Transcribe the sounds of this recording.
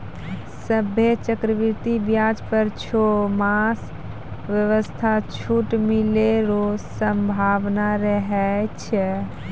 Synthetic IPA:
səbʱet͡ʃəkɾəʋiɾt̪ibjad͡ʒpəɾt͡ʃʰomas | ʋjəʋəst̪ʰat͡ʃʰuʈmileɾosəmbʱaʋnaɾəɦɛt͡ʃʰɛ

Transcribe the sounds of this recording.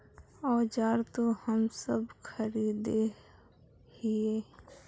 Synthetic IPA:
ɔːd͡ʒaːɾt̪ohəmsəbkʰəɾiːd̪e | hieː

